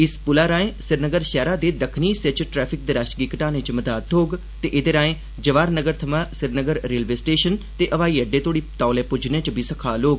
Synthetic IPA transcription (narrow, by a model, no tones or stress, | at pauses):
ɪspʊlaːɾãːẽsɪɾnəɡəɾʃɛːɾaːd̪eːd̪əkʰniːset͡ʃʈɾɛːpʰɪk̚d̪eːɾaːʃɡikəʈãːnẽːt͡ʃəməd̪aːt̪ʰoːɡ | t̪eːʔɪd̪eːɾãːẽː | d͡ʒəʋaːɾnəɡəɾt̪ʰəmãːsɪɾnəɡəɾːeːlʋeːsʈeːʃənt̪eːʔəʋaːiːəɖeːt̪ʰoːɽiːt̪aːlɛːpʊd͡ʒnẽːt͡ʃbʱiːsəkʰaːloːɡ